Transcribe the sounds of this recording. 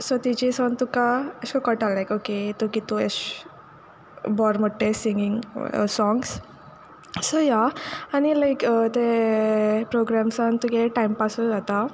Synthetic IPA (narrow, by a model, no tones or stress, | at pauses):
sot̪it͡ɕisɔnt̪ukaəɕkakəʈallajkoket̪ukit̪uḛɕ | bɔɾməʈːesiŋɡiŋ̰sɔ̃ŋɡs | sojaanilajkət̪e | pɾoɡɾamsant̪ukeʈajmpasud͡zat̪a